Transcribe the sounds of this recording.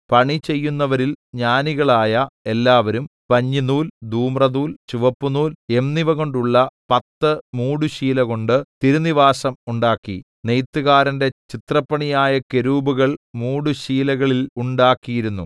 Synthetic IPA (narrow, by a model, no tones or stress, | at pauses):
pɐɳit͡ɕe̞jːunːɐʋɐɾilɲaːniɣɐɭaːjɐe̞lːaːʋɐɾumpɐɲːinuːld̪ʱuːmrɐðuːlt͡ɕuʋɐpːunuːlemniʋɐɣo̞ɳɖuɭːɐpɐt̪ːɨmuːɽuɕiːlɐɣo̞ɳɖɨt̪iɾuniʋaːsɐmuɳɖaːkːḭ | nejt̪ːuɣaːɾɐnde̞t͡ɕit̪rɐpːɐɳijaːjɐke̞ɾuːbuɣɐɭmuːɽuɕiːlɐɣɐɭiluɳɖaːkːijiɾunːu